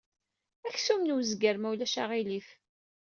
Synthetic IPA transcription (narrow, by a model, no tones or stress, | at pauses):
æçsumnwzɡəɾmæwlæʃa̰ʁilif